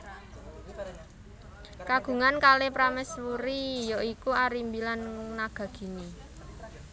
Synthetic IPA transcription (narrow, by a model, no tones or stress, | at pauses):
kaɡ̥ṳŋankalepɾamɛswuɾijoikuaɾimbilannaɡ̥a̤ɡ̥i̤ni